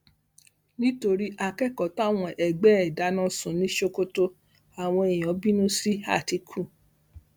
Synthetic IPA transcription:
nĩ˦to˧ɾi˦ʔa˧kɛ˦˨kɔ˨˦ta˦˨w̃ɔ̃˧ʔɛ˨ɡ͡bɛ˨˦ɛ˨da˨˦nã˦sũ˨nĩ˦ʃo˧ko˦to˧ | a˨w̃ɔ̃˧e˨j̃ɔ̃˨˦bi˦nũ˦si˦a̰˦˨ti˧˦kʰu˦˨

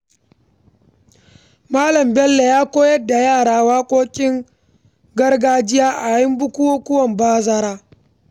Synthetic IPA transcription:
maː˦lɐ˨mbɛ˦lːe˨jaː˦kʷoː˦jɐ˦dːa˨jaː˦˨ɽaː˦waː˦kʷʼoː˦kʲʼɪ˦ŋ | ɡɐ˦rɡaː˦d͡ʒɪ˦jaː˦ʔa˨jɪ˦mbʊ˦kʷʊ˦woː˦kʷʊ˦wɐ˨mbaː˦zɐ˦ɾaː˦

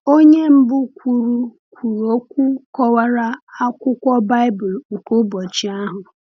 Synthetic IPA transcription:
o˦ɲe˦m̩˦bʊ˦kʷu˨ɾu˨ | kʷu˨ɾu˨o˦kʷu˦kɔ˦wa˦ɾa˦a˦kʷʊ˦kʷɔ˦ba˦ɪ˦bʊ˨l̩˨kʊ˦bɔ˨t͡ʃi˨a˦ɦʊ˨

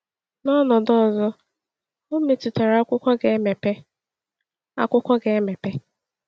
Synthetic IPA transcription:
nɔ˦nɔ˨dɔ˦˨zɔ˦ | o˦me˨tu˨te˨ɾa˦kʷʊ˦kʷɔ˦ɡe˨˦me˨pe˦ | a̰˦kʷʊ˦kʷɔ˦ɡe˨e˦me˨pe˦

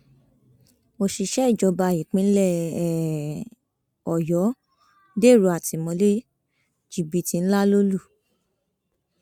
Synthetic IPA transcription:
mo˧ʃi˧ʃɛ˦i˦˨d͡ʒɔ˧ba˧˨ji˨k͡pĩ˧˦n̩˦lɛ˦˨ | ɔ˨jɔ˨˦ | de˦˨ɾu˨˧˦a˨ti˨mɔ̃˧le˦ | d͡ʒi˨bi˨ti˧n̩˦la˦lo˦lu˦˨

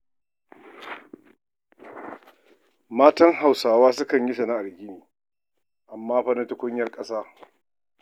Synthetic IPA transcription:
maː˦tɐ˦ŋɦa˨wsaː˨waː˦sʊ˦kɐ˨ɲji˦sɐ˨na˦ʔa˨ɡʲɪ˦niː˨ | ʔa˨mːaː˦ɸɐ˦nɐ˦tʊ˦kʷʊ˦ɲjɐ˦rkʼɐ˦saː˦

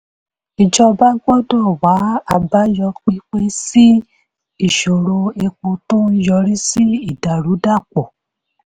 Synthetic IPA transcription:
i˨d͡ʒɔ˧ba˦ɡɔ˦dɔ˦˨wa˨˦a˨ba˦jɔ˧k͡pi˦k͡pe˦si˦ | i˦˨ʃo˨ɾo˧e˧k͡po˧tõ˦n̩˦jɔ˧ɾi˦si˦i˦˨da˨ɾu˨˦da˦˨k͡pɔ˨

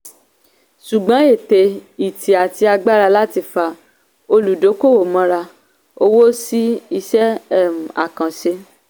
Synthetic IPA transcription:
ʃu˨ɡ͡bã˨˦e˦˨te˨˧i˨ti˨a˨ti˧a˧ɡ͡ba˦ɾa˧la˦ti˧fa˦˨ | o˧lu˨do˨˦ko˦˨wo˨mã˧ɾa˧ | o˧wo˦si˦i˧ʃɛ˦˨m˨a̰˨kã˨ʃe˧

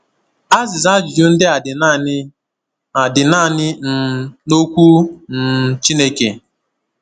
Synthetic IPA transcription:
a˦zɪ˨za˦d͡ʒi˨d͡ʒu˦n̩˦dɪ˦a˨dɪ˨n˦ | a˨dɪ˨na˦˨nɪ˦n̩˨no˦kʷu˦n̩˨t͡ʃi˦ne˦ke˨

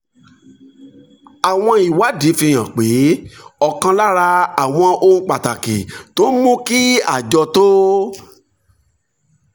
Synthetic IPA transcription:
a˨w̃ɔ̃˧i˨wa˨˦di˨˦fĩ˧˨j̃ã˨k͡pe˨˦ɔ˧kã˧la˦ɾa˧a˨w̃ɔ̃˧o˧ŋ̩˦k͡pa˨ta˨ke˨to˦mũ˦ki˦a˦˨d͡ʒɔ˧to˦

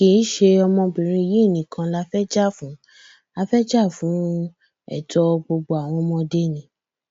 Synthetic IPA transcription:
ki˨˦n˦ʃe˧ɔ˧mɔ̃˧bĩ˨ɾ̃ĩ˧i˧˨ji˨˦˨nĩ˨˦kʰã˧la˧˦fɛ˦d͡ʒa˦˨fũ˨˦ | a˧fɛ˦d͡ʒa˦˨fũ˨˦ | ɛ̰˦˨tɔ˧ɡ͡bo˧ɡ͡bo˧a˨w̃ɔ̃˧mɔ̃˧de˦˨nĩ˨˧˦

